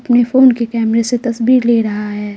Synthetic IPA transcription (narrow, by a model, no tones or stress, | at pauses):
ɐpnefoːnkekɛːmɾeset̪ɐsbiːɾleːɾɐɦaɦɛː